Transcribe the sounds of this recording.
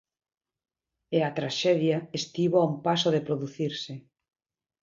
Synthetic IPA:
eat̪ɾaʃɛðjaest̪iβoaumpasoðepɾoðuθiɾsɪ

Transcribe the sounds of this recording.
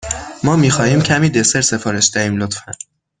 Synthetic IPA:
mɒːmiːxɒːhiːmcʰæmiːd̪e̞seɾse̞fɒːɾe̞ʃd̪æiːmlot̪fæn

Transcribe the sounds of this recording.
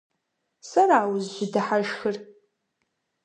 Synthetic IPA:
sɐraːwzʒʷɪdɨħaʒxɨr

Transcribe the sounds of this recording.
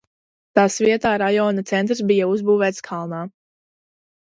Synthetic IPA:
t̪aːsviɛt̪aːɾajɔːnat̪sɛnt̪ɾsbijauzbuːvɛːt̪skʰalˠnaː

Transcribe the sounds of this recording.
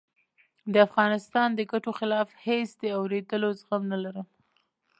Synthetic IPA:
d̪əafɣɑnɪst̪ɑnd̪əɡaʈoxɪlɑfhesd̪əawɾed̪əlozɣamnalaɾəm

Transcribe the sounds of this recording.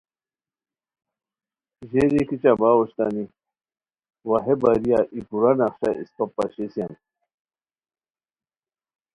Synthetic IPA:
ʑeɾikit͡ɕabaːwoɕt̪ani | wɐɦebaɾijaʔipuɾanɐχɕaʔḭspɐpːɐɕesian

